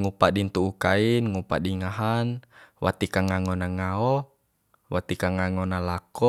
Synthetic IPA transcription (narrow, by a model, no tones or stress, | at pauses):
ŋupaʔdint̪uːkainŋupa̰diŋaɦanwʔa̰t̪ikaŋaŋɔnaŋaɔ | wat̪ikaŋaŋɔnalakɔ